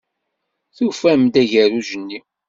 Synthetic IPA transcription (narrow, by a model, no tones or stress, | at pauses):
θufæmd̪æʝəɾuʒənːi